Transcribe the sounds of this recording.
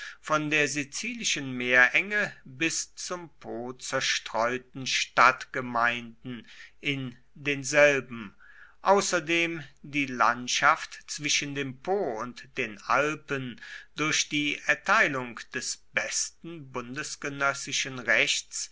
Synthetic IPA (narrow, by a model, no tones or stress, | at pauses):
fɔndeːɐzit͡siːlɪʃənmeːɐʔɛŋəbɪst͡sʊmpʰoːt͡sɛɐʃtʁ̥ɔʏtn̩ʃtatɡ̥əmaɪndn̩ʔɪn | deːnzɛlbm̩ | ʔaʊsɐdeːmdiːla̰ntʃaftt͡sv̥ɪʃəndeːmpʰoːʊntd̥eːnʔa̰lpənd̥ʊɐçd̥iːʔɛɐtʰaɪlʊŋd̥ɛsb̥ɛstn̩bʊndəsɡ̥ənœsɪʃənʁɛçt͡s